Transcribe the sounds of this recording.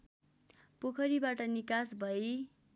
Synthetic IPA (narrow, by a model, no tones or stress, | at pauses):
pokʰʌɾibaʈʌnikasbʱʌe